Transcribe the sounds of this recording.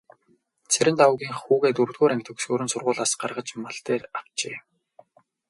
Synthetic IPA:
t͡sʰeɾʲɘ̆nt̪awʊɣʲiːŋxχuːɣeːt̪ɵrt̪ɣuːɾæŋk̚ʲt̪ɵ̆ksɵːɾɵ̆nsʊrʁʊːɮaːsɢarʁə̆t͡ɕmaɮt̪eːraw̥t͡ɕeː

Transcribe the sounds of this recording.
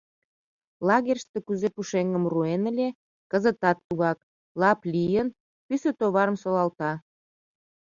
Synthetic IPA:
lɑɣerʲʃt̪ekuzepuʃeŋəmruenə̆lʲe | kəzət̪ɑt̪̚ːuɣɑk̚ | lɑplʲijən | pysøt̪oβɑɾəmsolɑlt̪ɑ

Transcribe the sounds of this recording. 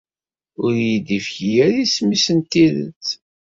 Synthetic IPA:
ʊɾjid̪ifçijæɾismisənt̪iðə̰t͡sː

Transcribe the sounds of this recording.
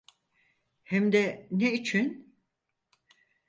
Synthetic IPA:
hɛmd̪ɛneit͡ʃʰin

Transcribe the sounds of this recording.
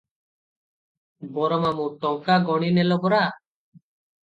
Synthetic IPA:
bɔɾɔmamuʈɔŋkaɡɔɽ̃inɛlɔbɔɾa

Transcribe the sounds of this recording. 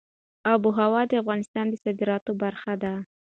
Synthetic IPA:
ɑbuɦawɑd̪əafɣɑnɪst̪ɑnd̪əsɑd̪ɪɾɑt̪obaɾxad̪a

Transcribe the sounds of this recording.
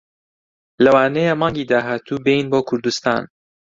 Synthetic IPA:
lɐwaːnɛjemɑːŋɡiːd̪aːɦaːt̪ʰuːbejinboːkʰʊɾd̪ust̪a̰ːn

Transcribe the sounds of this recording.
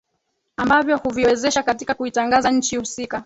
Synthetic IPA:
ambavjɔhuviwɛzɛʃakatikakuitaŋɡazaɲ̩t͡ʃihusika

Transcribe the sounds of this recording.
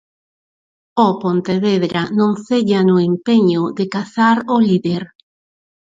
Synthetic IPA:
opont̪eβeðɾanõŋθeʎanʊempeɲʊðekaθaɾoliðeɾ

